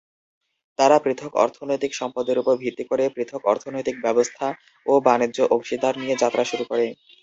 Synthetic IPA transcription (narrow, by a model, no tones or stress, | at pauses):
t̪aɾapɾit̪ʰokɔ̰ɾt̪ʰonojt̪ikʃɔmpad̪eɾupoɾbʱit̪ːikoɾepɾit̪ʰokɔɾt̪ʰonojt̪ik̚bɛbost̪ʰa | obanidːd͡ʑoʔoɡʃid̪ʱaɾnijed͡ʑat̪ːɾʔaʃuɾukoɾe